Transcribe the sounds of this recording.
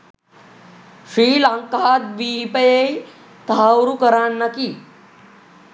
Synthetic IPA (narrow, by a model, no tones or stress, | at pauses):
ɕɾiːlãŋkat̪biipəjej | t̪awɾukəɾaɳːakiː